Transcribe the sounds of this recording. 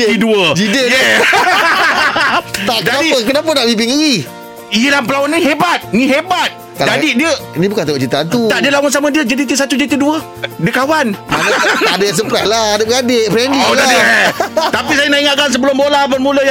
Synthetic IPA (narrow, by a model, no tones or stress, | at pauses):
iduəd͡ʒidej | t̪aʔkkd͡ʒanadipəkənap̬ənaʔbip̬iŋii | iəlahmpəlawanĩɦebat̪̚nĩɦebat̪̚ | kald͡ʒadidiəinĩbukant̪aoʔt͡ʃit̪aant̪ut̪aʔdəlawʊnsamãdiəd͡ʒadit̪əsat̪ud͡ʒit̪əduə | diəkawanmandəjas̬əmpəɾahlahadəpəɡadeʔpɾɛndioladi | t̪apisajənaʔiŋat̪̚kans̬əbəlʊmbolabərmũləj